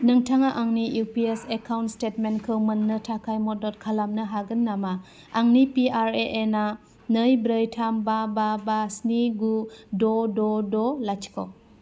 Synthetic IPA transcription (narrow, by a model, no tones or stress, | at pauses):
nɯŋtʰaŋaʔaŋnijupiesekʰawntstetmenkʰɯwmɯnːɯtʰakʰajmɔdɔt̚kʰalamnɯɦaɡɯnːama | aŋnipiaɾeʔena | nəjbɾəjtʰambababasniɡudɔdɔdɔlajt͡ʃʰi̥kʰɔ̰